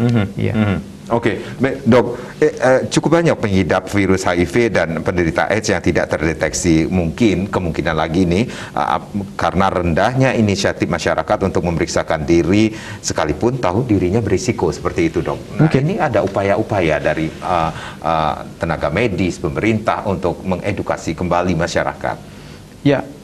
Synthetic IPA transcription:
m̩ɦ̩ja̰ | okebɛdɔk̚ | ət͡ʃukʊp̚baɲak̚pəŋɦidap̚fiɾʊshaifedanpəndəɾit̪a̰ʔɛsjaŋt̪ida̰ʔt̪ərdet̪ɛksimuŋkɪnkəmuŋkinanlaɡinih | ʔə̰kaɾənaɾəndahɲainisiat̪ɪfmaʃaɾʔa̰kat̪unt̪ʊk̚məməɾiksakandiɾi | sə̥kalipʊnt̪aɦudiɾiɲabəɾisikosə̥pərt̪iːt̪udɔ̰k̚nainiadaupajaʔupajadaɾiəʔə̰t̪ənaɡamedispəməɾint̪a̰hunt̪ʊk̚məŋʔeduka̰sikəmbalimaʃaɾa̰ka̰t̪̚ | ja

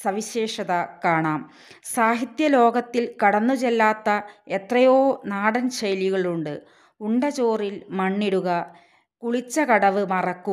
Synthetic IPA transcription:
sɐʋiɕe̞ːʂɐðɐkaːɳaːm | saːɦit̪jɐlo̞ːɡɐt̪ːilkɐɽɐnːut͡ɕelːaːt̪ːɐet̪rɐjoːnaːɽɐnɕɐjliɣɐɭuɳɖɨ | uɳɖɐt͡ɕo̞ːrilmɐɳːiɽuɣɐ | kuɭit͡ɕːɐkɐɽɐʋɨmɐrɐkːu

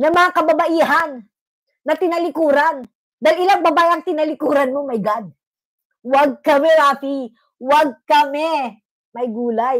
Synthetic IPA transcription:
nɐmɐŋakɐbɐbɐʔiːɦanː | ɐt̪ɪnɐlɪkuːɾan | d̪ajlʔɪlaŋbɐbaːjɐŋt̪ɪnɐlɪkuːɾɐnmo̞mɐjɡad̪̚ | wɐɡ̚kɐmɛɾaːfi | wɐɡ̚kɐmɛ | mɐjɡuːlaj

